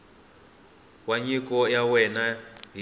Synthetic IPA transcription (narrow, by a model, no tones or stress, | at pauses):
waɲikɔjawɛnaɦi